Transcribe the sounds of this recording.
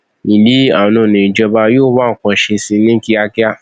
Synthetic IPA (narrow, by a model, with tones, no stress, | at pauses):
i˨li˨˦a˦˨nũ˨nĩ˨d͡ʒɔ˧ba˧joː˦˨˦ba˦˨kɔ̃˨˧ʃe˧si˧˦nĩ˦ki˦a˧ki˦a˦